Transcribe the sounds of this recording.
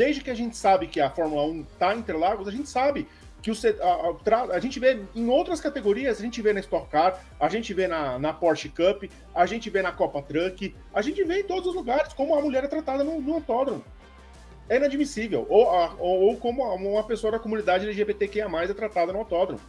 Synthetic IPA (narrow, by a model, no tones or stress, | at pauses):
d̪ejzd͡ʒɪkɪaʒẽnt͡ʃɪ̥sabɪkɪɐfɔɾmulɐũt̪aẽnt̪ɾelaɡʊzɐʒẽnt͡ʃɪ̥sabɪ | kɪʊseat̪ɾaaʒẽnt͡ʃɪveẽj̃owt̪ɾɐskat̪eɡoɾiɐzɐʒẽnt͡ʃɪvenɐɪst̪ɔkkaɾ | aʒẽnt͡ʃɪvenɐnɐpɔɾt͡ʃɪkɐpɪ | aʒẽnt͡ʃɪvenɐkɔpɐt̪ɾɐ̃kɪ | aʒẽnt͡ʃɪveẽt̪od̪ʊzʊzluɡaɾɪskõmʊɐmuʎɛɾɛt̪ɾat̪ad̪ɐnʊnʊ̃awt̪ɔd̪ɾõmʊ̃ | ɛĩnad͡ʒmisivḛwoaoowkõmʊũũmɐpesoɐd̪ɐkomũnid̪ad͡ʒɪd͡ʒɛlɪʒebet̪ekẽj̃ɐmajzɛt̪ɾat̪ad̪ɐnʊawt̪ɔd̪ɾõ̰mʊ